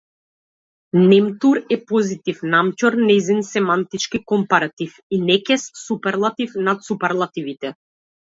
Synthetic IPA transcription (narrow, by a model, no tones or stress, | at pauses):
nɛmt̪uɾɛpɔzit̪ifnamcɔɾnɛjzinsɛmant̪it͡ʃkikɔmpaɾat̪ifinɛkɛssupɛɾlˠat̪ifnat̪supɛɾlˠat̪ivit̪ɛ